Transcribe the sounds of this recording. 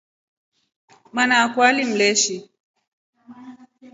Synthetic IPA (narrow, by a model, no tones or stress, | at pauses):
manaːkwalim̩lɛʃi